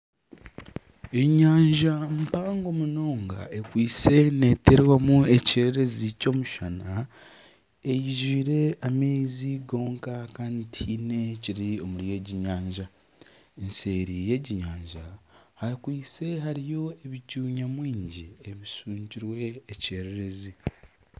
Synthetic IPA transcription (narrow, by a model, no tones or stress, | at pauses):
e̞ɲaːɲʒampaːŋɡo̞muno̞ːŋɡa̰e̞kwiːt͡se̞ne̞teɾwamue̞ceɾeɾe̞zico̞ːmuʃana | e̞jiʒiːɾe̞ameziɡo̞ːŋkakaːntʰine̞ciɾio̞muɾje̞ɟiɲaːɲʒa | ense̞ːɾije̞ɟiɲaːɲʒahakwiːse̞ɦaɾijo̞e̞βicuːɲamwiːɲɟieβisuːɲciɾwe̞ːce̞ɾe̞ɾe̞zi